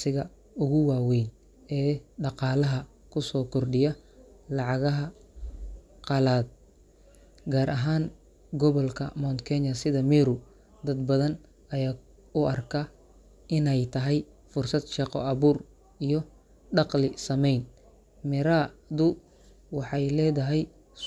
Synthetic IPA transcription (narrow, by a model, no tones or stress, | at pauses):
sɪɣɐ | ʊɣʊwɑːwɛjn | ɛːɖɑqɑːlɐɦɐ | kʰʊsɔːkʰɔrɖɪjɐlɑʕɑɣɐɦɐ | qɑlaːd̪̚ | ɡaːɾʔɐɦaːn | ɡɔβɔlkʰɐ̰mɔnkʰɛɲɐsɪðɐmɛɾʊ | d̪ɐd̪bɐðɐn | ɐjaː | ʊʔɐrkʰɐ | ʔɪnɛjt̪ʰɐɦɛj | fʊrsɐd̪ʃɑqɔʔɑβuːr | ijɔ | ɖɑqlɪsɐmɛjn | mɪɾad̪ʊ | wɑħɑjlɛːðɐɦɛj